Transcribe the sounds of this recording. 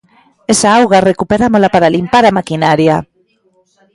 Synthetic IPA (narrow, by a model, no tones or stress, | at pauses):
esaawɣarekupeɾamolapaɾalimpaɾamakinaɾja